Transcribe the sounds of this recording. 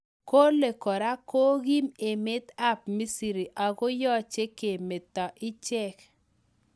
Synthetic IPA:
ko˦le˨kɔ˨ɾa˦ko˦ɣi˦me˨me˦t̪a˦p̚mi˦si˨ɾi˨ʔa˨ɣo˦jɔ˦˨t͡ʃe˦ke˨me˨t̪ɔ˨ʔɪ˦t͡ʃɛ˦˨k

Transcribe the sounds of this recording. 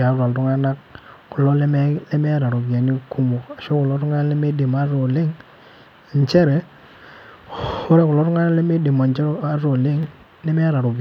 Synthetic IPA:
a˨˦ɾa˨tu˦ŋa˦na˦k | ku˨lo˦le˦me˦le˦me˦ɾa˨ɾu˨bi˨a˨ni˦ku˦mo˨ka˨ʃo˦ku˨lo˦tu˦ŋa˦le˦me˦de˨ma˨˦ɾo˨li˦ŋ˨ | ɲ˨t͡ʃe˦ɾe˨ | ho˦ɾe˦ku˨lo˦tu˦ŋa˦na˦le˦me˦di˨ma˨nt͡ʃe˦ɾa˦ɾo˨li˦ŋ | le˦me˦ɾa˨ɾu˨b

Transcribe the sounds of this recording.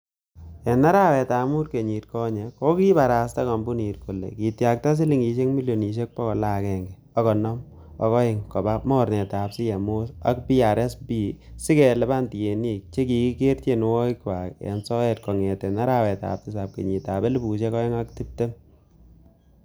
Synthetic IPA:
ɛ˨na˦ɾa˦wɛ˨taː˨mu˦ɾke˨ɲi˨tkɔ˦ɲe˨ko˦ki˦ba˨ɾa˨sta˦kɔ˨mbu˦ni˨tku˨lḛ˨ki˨tja˨k̚ta˦s̬i˦li˦ŋi˨ʃe˦kmi˦ljo˨ni˨ʃ̬e˦k̚pɔ˦kɔ˨la˦kɛ˨ŋɡɛ | ɔ˦kɔ˨nɔ˦m | ɔ˨kɔ˦ɪ˨ŋkɔ˨ba˦mɔ˦ɾnɛ˨ta˨psɪ˦ja˨mʊ˦sa˦kpi˦a˨ɾɛ˦sbi˦sɪ˦kɛ˨lɛ˨˦ba˦nti˨je˨ni˦k̚t͡ʃe˦ki˨ki˦ke˦ɾte˦n˦wɔ˦ɪkwa˨kɛ̰˨nsɔ˦ɛ˦t̚kɔ˨ŋɛ˨tɛ˨na˦ɾa˦wɛ˨ta̰˨p̚tɪ˦sa˨p̚ke˨ɲi˨ta˨bɛ˦li˦bu˨ʃe˦kɔ˦ɛ˦ŋa˦kti˦p̚te˦m

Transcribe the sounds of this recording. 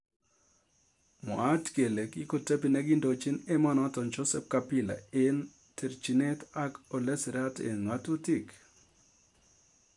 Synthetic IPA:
mɔ˨a˦tke˨le˨ki˦ko˨te˦pi˨nɛ˦ɡɪ˦ndo˨t͡ʃi˦nɛ˦mɔ˦nɔ˨tɔ˨nd͡ʒo˦sɛ˦p̚kapi˦la̰ɪ˦n | tʰe˨ɾt͡ʃi˨ne˦ta˦ko˨le˦sɾa˦tḛ˨ŋa˦to˦ti˦k

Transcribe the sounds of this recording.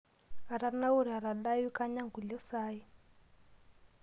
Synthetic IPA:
a˨ɾa˨na˦u˦ɾa˨ɾa˨ɗa˦ju˦ka˦ɲa˦ŋɡu˨lɔ˦sa˦i˦

